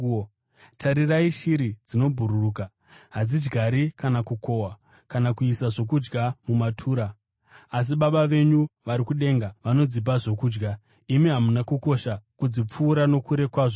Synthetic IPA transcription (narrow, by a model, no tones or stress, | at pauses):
tʰaɾiraiʃiɾid͡zino̞bʱuɾuruːka | ɦad͡zid͡ʒɡaɾikanakukʰo̞wa | kanakuisaʐo̞kud͡ʒɡamumatʰuːɾaː | s̬iɓaɓaʋe̞ɲuʋaɾikuɗe̞ːŋɡaʋano̞d͡zip̬aʐo̞kuːd͡ʒɡa | imiɦamunakuko̞ʃakud͡zip͡fuːɾano̞kuɾe̞kwaːʐo